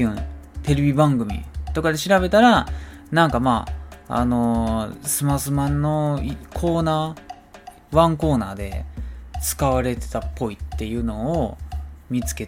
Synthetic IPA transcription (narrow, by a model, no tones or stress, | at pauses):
ɯ̟̃t̪e̞ɾebʲibãŋɡɯ̟mʲḭt̪o̞kad̪e̞ɕiɾaβe̞t̪aɾanãŋkamaːa̰no̞sɨmasɨmãnːo̞ikʰo̞ːnaː | βãŋko̞ːnaːd̪e̞̰t͡sɨ̥kaβaɾe̞t̪e̞̥t̪apʰːo̞it̪ːe̞jɯ̟ːno̞ː | mʲit͡sɨ̥ke̞t